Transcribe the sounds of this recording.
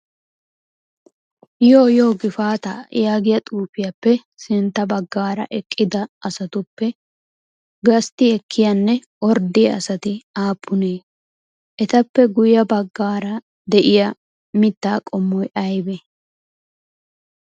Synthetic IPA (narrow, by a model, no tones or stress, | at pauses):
joːjo̞ːɡɪfaːt̪ɐ̰jaːɡɪjɐt̪ʼuːfɪjɐpːɛ | sɪnt̪ːɐbɐɡːaːɾɐ̰ʔɛkʼːɪd̪ɐʔɐsɐt̪ʊpːɛ | ɡɐst̪ɪɛkʰːɪjɐnːɛ | ɔɾd̪ɪjɐɐ̰sɐt̪ɪaːpʰːʊneː | ʔɛt̪ɐpːɛɡʊjɐbɐɡːaːɾɐ | d̪ɛʔɪjɐ | mɪt̪ːaːkʼɔmːɔjɐjbɛ